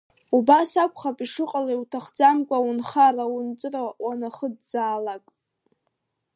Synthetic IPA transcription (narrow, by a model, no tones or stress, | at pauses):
ubasakʷʰʼχapʼiʂɨqʼalaiwtʰaχd͡zamkʷʼaunχaraunt͡sʼɨrawanaχəd̚d͡zaːlakʼ